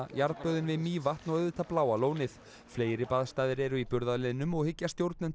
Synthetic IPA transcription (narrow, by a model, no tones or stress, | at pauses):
jaɾpœːðʏnvɪðmiːvaht̪nɔɣœvɪt̪ʰaplaːwaloːwnɪθ | fleːjɾɪpaːðst̪aːðɪɾɛɾʏipʏɾðalɪnːʏmɔɣhɪcːast̪jowɾt̪nɛn